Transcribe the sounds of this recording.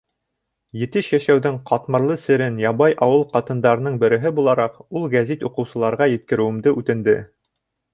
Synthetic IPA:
jɘ̆t̪ɘʃjæʃæwðɘɴqʰɑt̪mɤ̆ɾlˠɤsɘ̆ɾɘnjɑβɑjʔɑwɤlˠqɑt̪ɤ̆nd̪ɑɾɤ̆nɤɴbɘ̆ɾɘ̆ɦɘbulˠɑɾɑqulˠɡæzit̪uqɤ̆wsɤ̆lˠɑɾʁɑjɘ̆t̪kɘ̆ɾɘ̆wɘ̆md̪ɘʔʉt̪ɘ̆nd̪ɘ̰

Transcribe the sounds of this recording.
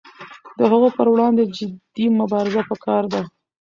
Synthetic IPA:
d̪əɦəɣopəɾwɽɑnd̪ed͡ʒɪd̪imʊbɑɾɪzapəkɑɾd̪a

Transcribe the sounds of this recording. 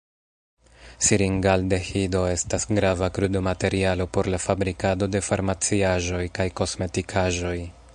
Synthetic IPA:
siɾiŋɡalde̞hido̞e̞stasɡɾavakɾudo̞mate̞ɾialo̞po̞ɾlafabɾikado̞de̞faɾmat͡siaʒo̞jkajko̞sme̞tikʰaʒo̞j

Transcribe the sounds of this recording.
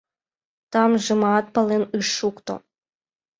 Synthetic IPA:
t̪ɑmʒɨmɑt̪̚pɑlˠenɯʂːukt̪o̰

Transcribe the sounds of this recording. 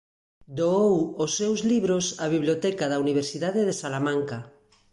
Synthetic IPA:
d̪oowosːewzliβɾosaβ̞iβlijot̪ɛkaðauniβ̞eɾsiðað̞eðesalamãŋka

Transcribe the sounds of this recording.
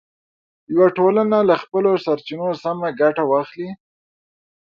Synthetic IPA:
jawaʈolanalaxpəlosaɾt͡ʃinosamaɡaʈawɑxli

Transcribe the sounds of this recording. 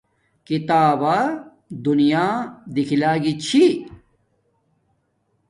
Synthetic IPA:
kit̪aːba | d̪unijaːd̪ikʰilaːɡit͡ɕʰi

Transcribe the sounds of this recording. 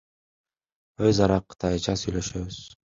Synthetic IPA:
øzɑɾɑqʰːɯ̥t̪ʰɑjt͡ʃɑsyjlø̞ʃøβyz̥

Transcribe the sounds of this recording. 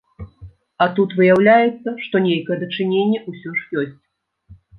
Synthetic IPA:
ɐt̪ut̪vɨjawlʲajɛt̪sːɐʂt̪ɔnʲejkɐjɛd̪ɐt͡ʂɨnʲenʲːɛusʲɔʂjɔsʲt͡sʲ

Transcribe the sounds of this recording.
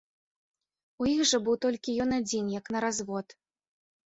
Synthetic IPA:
ujixʐɐbɨwt̪ɔlʲkʲijɔnad͡zʲinjɐknɐɾazvɔt̪

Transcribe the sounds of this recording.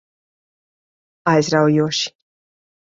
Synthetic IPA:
ajzɾawjuːʃi̥

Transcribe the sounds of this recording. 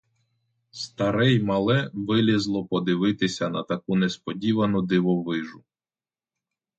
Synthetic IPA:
st̪ɐɾɛjmɐlˠɛʋɪlʲizlˠɔpɔd̪ɪʋɪt̪ɪsʲɐnɐt̪ɐkunespɔdʲiʋɐnʊd̪ɪʋɔʋɪʒʊ

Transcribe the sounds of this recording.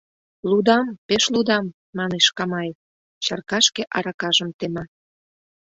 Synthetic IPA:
lud̪ɑmpeʃlud̪ɑmː | ɑneʃkɑmɑj | t͡ɕɑrkɑʃkeʔɑɾɑkɑʒəmt̪emɑ

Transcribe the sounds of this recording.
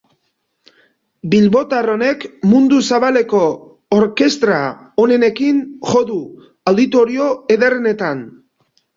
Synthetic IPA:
bilβo̞t̪aro̞ne̞kmund̪usaβale̞ko̞ː | ɾke̞st̪ɾa | one̞ne̞kinʝo̞ðu | awd̪it̪o̞ɾio̞e̞ðerene̞t̪an

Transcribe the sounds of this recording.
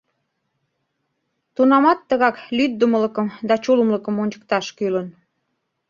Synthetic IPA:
t̪unɑmɑt̪ːəɣɑklyd̪̚ːəmələkəmd̪ɑt͡ɕuləmləkə̆monʲt͡ɕə̥k̚t̪ɑʃkylən

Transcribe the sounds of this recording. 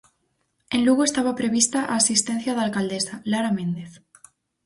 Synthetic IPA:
ẽnluɣoest̪aβ̞apɾeβ̞ist̪aʔaːsist̪en̟θjaðalkald̪esalaɾamẽnd̪eθ

